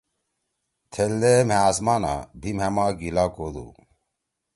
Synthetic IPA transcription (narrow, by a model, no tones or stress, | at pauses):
t̪ʰeld̪emeaːsmaːna̰bʱimamaɡilaːkod̪ṵ